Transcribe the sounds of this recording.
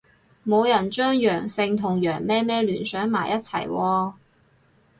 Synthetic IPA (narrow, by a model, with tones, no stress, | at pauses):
mo˨˧wjɐ˨˩nt͡ʃœː˥ŋjœː˨˩ŋsɪ˧ŋt̪ʰʊ˨˩ŋjœː˨˩ŋmɛː˥mɛː˥lyː˨˩nsœː˨˥ŋmaː˨˩jʔɐ˦˥t̚t͡sʰɐ̰˨˩jwɔː˧